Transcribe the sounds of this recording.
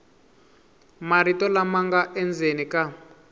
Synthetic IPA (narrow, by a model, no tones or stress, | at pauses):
maɾitɔlamaŋɡaʔɛnd͡zenika